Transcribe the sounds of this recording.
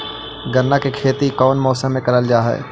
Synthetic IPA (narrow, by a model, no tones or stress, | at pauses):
ɡəɾnakekʰeːt̪ikɔːnmɔːsə̃mẽkɐɾəld͡ʒaːɦɛ̰ː